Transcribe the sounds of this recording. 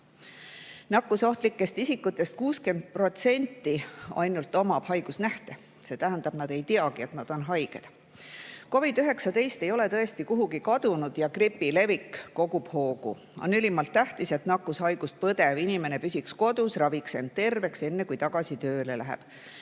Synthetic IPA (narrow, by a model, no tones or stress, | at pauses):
nɑkːuso̞ht̪likːe̞st̪isikːˑut̪ːˑe̞st̪̚kuːske̞nd̪̥̚pro̞t̪se̞nʲt̪ːˑiɑ̰jnult̪ːˑo̞mɑb̥hɑjɡ̥usnæht̪e̞ | se̞ːt̪æɦænd̪ɑb̥nɑd̪̥e̞jt̪iɑɡ̥ie̞t̪nɑd̪̥o̞nɦɑjɡ̥e̞̰d̪̥ | ko̞vid̪yɦe̞ksɑt̪e̞jst̪e̞jo̞le̞t̪ɤest̪ikuɦuɡikɑd̪̥unud̪̥jɑkripːile̞vikːo̞ɡub̥ho̞ːɡ̥ṵ | o̞̰nylimɑlt̪ːæht̪ise̞t̪nɑkːushɑjɡ̥ust̪̚pɤd̪e̞vinime̞ne̞pysʲiksko̞d̪̥usrɑvikse̞nd̪̚t̪e̞rve̞kse̞nːekujt̪ɑɡ̥ɑsit̪øːlelæɦḛb̥